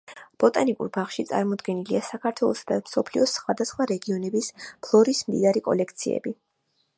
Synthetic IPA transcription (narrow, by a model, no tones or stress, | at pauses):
b̥ɔt̪ʼanikʼṵɾbaχʃit̪sʼa̰ɾmɔd̪ɡɛniliasakʰaɾt̪ʰwɛlˠɔsad̪amsɔpʰliɔsχwad̪asχwaɾɛɡiɔnɛbispʰlˠɔɾismd̪ḭd̪aɾikʼɔ̰lɛkʰt̪sʰḭɛ̰bi